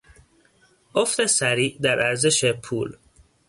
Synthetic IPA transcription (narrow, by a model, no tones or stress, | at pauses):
ʔoft̪e̞sæɾiːʔd̪æɾʔæɾzeʃepʰṵːl